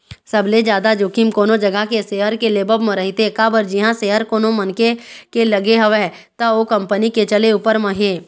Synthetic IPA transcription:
səbled͡ʒjaːd̪ad͡ʒoːkimkoːnod͡ʒɐɡəkeseːɦəɾkeleːbəbmə̃ɾəɦit̪ekaːbəɾd͡ʒɪɦãseːɦəɾkoːnomənkekelɐɡeɦɐʋe | t̪ɐoːkɐ̃mpəniket͡ʃəleupəɾmə̃ɦeː

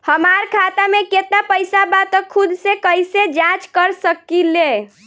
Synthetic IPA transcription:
həmaɾkʰat̪ameket̪apəjsabat̪əkʰud̪sekəjsed͡ʒãt͡ʃkəɾsəkile

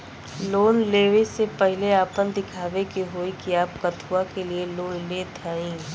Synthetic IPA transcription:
loːnleːʋesepɛɦɪleaːpənd̪ɪkʰaːʋekiɦoːikiaːpkɐt̪ʰuakelieloːnleːt̪ʰaːĩː

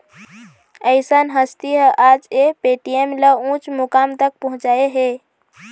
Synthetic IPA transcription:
əɪsənɦəst̪iɦad͡ʒepeʈijemləũt͡ʃmukamt̪ək̚pəɦũt͡ʃaeɦe

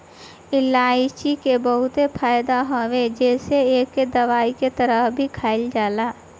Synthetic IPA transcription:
ɪlaːit͡ʃikebəɦʊt̪epʰaːjd̪aɦoʋed͡ʒɛːseeːkːed̪ɐʋaːiket̪əɾəɦbʱikʰaːɪld͡ʒaːlaː

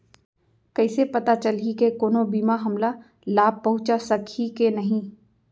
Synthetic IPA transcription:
kɐɪsepɐt̪at͡ʃɐlikekoːnobiːmaɦɐmla | laːb̚pɐɦʊ̃t͡ʃasɐkʰikenɐɦĩː

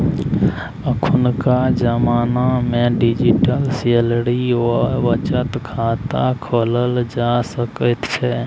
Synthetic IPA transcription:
əkʰʊnkad͡ʒəmaːnamẽɖɪd͡ʒiʈəlselɾioʋət͡ʃət̪kʰaːt̪akʰoːləld͡ʒasəkət̪t͡ʃʰɛː

